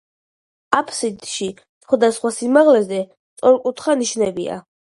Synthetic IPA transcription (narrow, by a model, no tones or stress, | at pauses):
apʰsid̪ʃi | sχwad̪asχwasimaʁlɛzɛ | t̪sʼɔɾkʼut̪ʰχaniʃnɛbḭa̰